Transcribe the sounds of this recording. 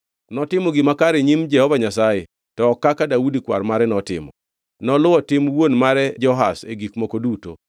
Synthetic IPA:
nɔtɪmɔɡɪmakaɾeɲimd͡ʒɛhɔvaɲasaje | tɔːkːakadaudikwarmaɾɛnɔtɪ̰mɔ̰ | nɔlʊwɔtɪmwonmaɾɛd͡ʒɔɦasḛɡikmɔkoduto̰

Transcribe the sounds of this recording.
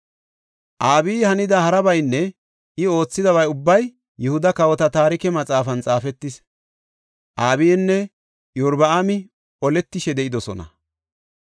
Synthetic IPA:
ʔaːbiːhɐnɪd̪ɐhɐɾɐbɐjnːɛ | ɪo̞ːt͡sːɪd̪ɐβɐjʊbːɐj | jɛhʊd̪ɐkɐwɔt̪ɐt̪aːɾɪkɛmɐt͡sʼaːfɐnt͡sʼaːfɛt̪ːɪs | ʔaːbijɛnːɛ | jʊɾbɐamɪ | ʔɔlɛt̪ːɪʃɛd̪ɛʔɪd̪ɔsɔnɐ̰

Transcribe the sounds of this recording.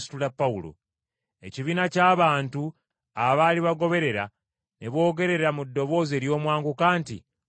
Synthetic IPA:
si̥tulapːaulo̞̰ | e̞̰ciβiːnacaːβaːntu | aβaliβaɡo̞βe̞ɾe̞ɾa | neβo̞ːɡe̞ɾe̞ɾamudːo̞βo̞ːze̞ːɾjo̞ːmwaːŋɡukaːntḭ

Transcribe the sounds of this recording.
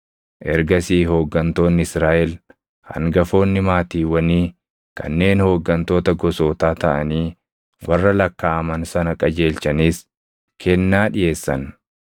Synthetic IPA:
ʔɛɾɡɐsiːɦo̞ːɡːɐnt̪o̞ːnːɪɪsɾaːʔɛl | hɐ̰ŋɡɐfo̞ːnːɪmaːt̪iːwɐniː | kɐ̰nːe̞ːnho̞ːɡːɐnt̪o̞ːt̪ɐɡɔso̞ːt̪aːt̪ɐʔɐniː | wɐrːɐlɐkːaːʔɐmɐnsɐnɐkʼɐd͡ʒe̞ːlt͡ʃɐniːs | kʰɛnːaːᶑɪje̞ːsːɐ̰n

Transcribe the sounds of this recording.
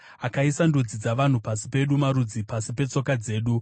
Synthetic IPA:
akaisandud͡zid͡zaʋan̤upasi̥pe̞ɗumaɾud͡zipasipe̞t͡so̞kad͡ze̞ːɗu

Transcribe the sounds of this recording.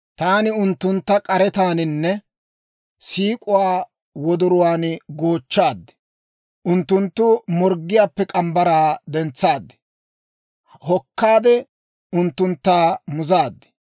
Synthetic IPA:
t̪aːnɪʊnt̪ːʊnt̪ːɐkʼɐɾɛt̪aːnɪnːɛ | siːkʼʊwaː | wɔd̪ʊɾʊwaːnɡoːt͡ʃːaːd̪ːɛ̥ | ʔʊnt̪ːʊnt̪ːʊmɔɾɡːɪjaːpːɛkʼɐmbɐɾaːd̪ɛnt͡sːaːd̪ːɛ̥ | hɔkːaːd̪ɛ | ʊnt̪ːʊnt̪ːaːmʊzaːd̪ːɛ̥

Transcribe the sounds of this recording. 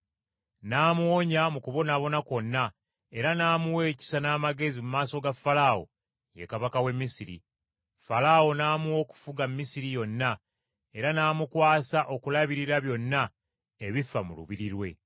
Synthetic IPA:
naːmuoɲamukuβo̞naβo̞nako̞nːa | e̞ɾanaːmuwe̞ːci̥sanaːmaɡe̞zimumaːso̞ɡafːalawo̞̰ | je̞̰kaβakawe̞mːisiɾḭ | falawo̞naːmuo̞ku̥fuɡamːisiɾijo̞nːa | e̞ɾanaːmukwaːsaʔo̞kulaβiɾiɾaβjo̞nːa | e̞βifːamulṵβiɾiɾwe̞

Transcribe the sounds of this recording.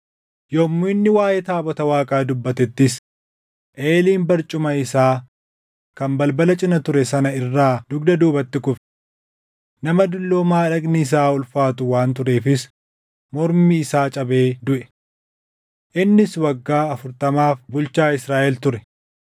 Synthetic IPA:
jɔmːuɪnːɪwaːjɛt̪aːbɔt̪ɐwaːkʼaːd̪ʊbːɐt̪ɛt̪ːɪs | ʔeːliːmbɐɾt͡ʃʼʊmɐɪsaː | kɐmbɐlbɐlɐt͡ʃʼɪnɐt̪ʊɾɛsɐnɐɪrːaːd̪ʊɡ̚d̪ɐd̪uːbɐt̪ːɪkʊf | nɐmɐd̪ʊlːoːmaːᶑɐɡniːs̬aːʊlfaːt̪ʊwaːnt̪̬ʊɾe̞ːfɪs | mɔɾmiːsaːt͡ʃʼɐbe̞ːd̪ʊʔɛ̥ | ʔɪnːɪswɐɡːaːɐfʊɾt̪ɐmaːfbʊlt͡ʃaːɪsɾaːʔɛlt̪ʊɾɛ

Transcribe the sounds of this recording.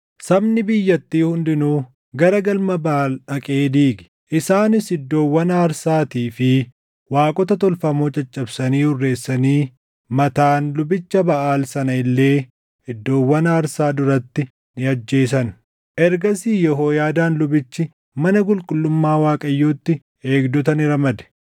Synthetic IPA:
sɐbnɪbɪjːɐt̪ːiːhʊnd̪ɪnuː | ɡɐɾɐɡɐlmɐbaːlᶑɐkʼe̞ːd̪iːɡɪ̥ | ʔɪsaːnɪsɪd̪ːo̞ːwːɐnaːɾsaːt̪iːfɪ | waːkʼɔt̪ɐt̪ɔlfɐmo̞ːt͡ʃʼɐt͡ʃʼːɐbsɐniːhʊrːe̞ːsːɐniː | mɐt̪aːnlʊbɪt͡ʃːɐbɐʔaːlsɐnɐɪlːe̞ː | ɪd̪ːo̞ːwːɐnaːɾsaːd̪ʊɾɐt̪ːɪ | nɪɐd͡ʒːe̞ːs̬ɐn | ʔɛɾɡɐsiːjɔɦo̞ːjaːd̪aːnlʊbɪt͡ʃːɪ | mɐnɐɡʊlkʼʊlːʊmːaːwaːkʼɐjːoːt̪ːɪ | e̞ːɡd̪ɔt̪ɐnɪɾɐmɐd̪ɛ̥

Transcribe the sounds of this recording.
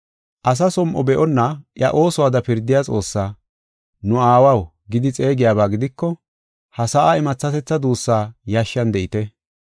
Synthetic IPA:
ʔɐs̬ɐsɔmʔɔbɛʔɔnːɐʔjɐʔo̞ːsɔwaːd̪ɐpɪɾd̪ɪjat͡sʼo̞ːsːaː | nʊaːwɐw | ɡɪd̪ɪt͡sʼe̞ːɡɪjaːbaːɡɪd̪ɪkːɔ | hɐsaʔaɪmɐt͡sːɐt̪ɛt͡sːɐd̪uːsːaːjaːʃːɐnd̪ɛʔɪt̪ɛ

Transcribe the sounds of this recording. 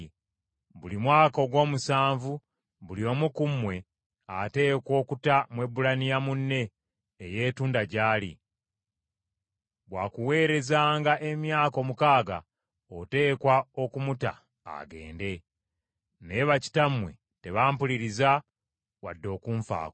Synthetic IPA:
βulimwaːko̞ɡwo̞ːmusaːɱvu | βulio̞mukumːwe̞ | ate̞ːko̞ːkutamwe̞bulanijamunːe̞ː | je̞ːtuːndaɟaːlḭ | bwakuwe̞ːɾe̞zaːŋɡaʔe̞mjaːko̞mukaːɡa̰ | ote̞ːkwao̞kumuta̰ː | ɡe̞̰ːnde̞ | ne̞βaci̥tamwe | te̞βaːmpuliɾiza | wa̰dːo̞ːkuːɱfa̰ːk

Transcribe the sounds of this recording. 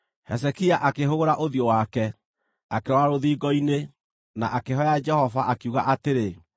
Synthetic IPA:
hɛsɛkiaʔakeɦoɣoɾaʔoðjowakɛ | akeɾɔaɾoðiːɡɔine | naʔakeɦɔjad͡ʒɛhɔvaʔakuɣaʔateɾe

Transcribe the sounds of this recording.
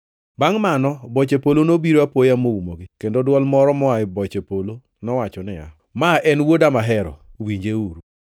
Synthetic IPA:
baŋmanɔbɔt͡ʃepolonobiɾoapwojamoumoɡɪkendodwɔlmɔɾɔmɔaɪbɔt͡ʃepolo | nɔwat͡ʃɔnɛa̰ | maʔɛnwodamaɦɛɾɔ̰wiɲd͡ʒeuɾu

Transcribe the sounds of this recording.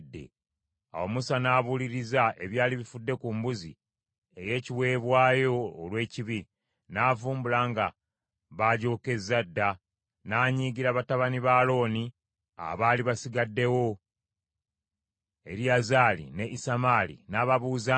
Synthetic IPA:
dːe̞̰ | a̰wo̞musanaːβuliɾizaʔe̞βjaːliβifudːe̞kumbuzḭ | e̞je̞ːciwe̞ːβwaːjo̞ːlwe̞ːciβi | naːvuːmbulaːŋɡa | βaɟo̞ːke̞zːadːa | naːɲiːɡiɾaβataβaniβaːlo̞ːni | a̰βaːliβasiɡadːe̞wo̞ | e̞̰ɾjazaːlḭne̞ʔisamaːlḭnaːβaβuːza

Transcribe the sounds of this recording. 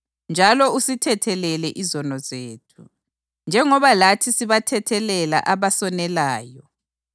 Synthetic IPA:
nd͡ʒʱalɔusitʰɛtʰɛlɛlɛʔizɔnɔzeːtʰu | nd͡ʒʱɛŋɔβalatʰisiβatʰɛtʰɛlɛla̰ʔaβasɔnɛlaːjɔ

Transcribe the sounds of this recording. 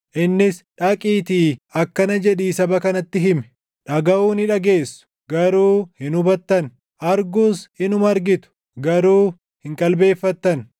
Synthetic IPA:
ʔɪnːɪsᶑɐkʼiːt̪iːɐkːɐnɐd͡ʒɛᶑiːsɐbɐkɐnɐt̪ːɪɦɪmɛ | ᶑɐɡɐʔuːnɪᶑɐɡe̞ːsːʊ̥ | ɡɐɾuːhɪnʊbɐt̪ːɐn | ʔɐɾɡʊshɪnʊmɐɾɡɪt̪ʊ̥ | ɡɐɾuː | hɪŋkʼɐlbe̞ːfːɐt̪ːɐn

